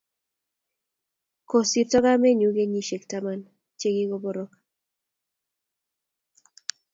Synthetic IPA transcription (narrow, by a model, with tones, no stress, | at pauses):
ko˨si˨tɔ˦ɡa˦me˦ɲu˦ɡe˦ɲi˦ʃe˨kta˦ma˦n | t͡ʃe˦ɡi˦ɡɔ˦bɔ˦ɾɔ˦k